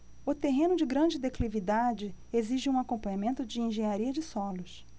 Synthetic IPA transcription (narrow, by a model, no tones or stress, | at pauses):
ʊt̪eɦẽnʊd͡ʒɪɡɾɐ̃d͡ʒɪd̪eklivid̪ad͡ʒɪeziʒɪũakõpɐ̃ɲamẽnt̪ʊd͡ʒɪĩʒẽɲaɾiɐd͡ʒɪsɔlʊs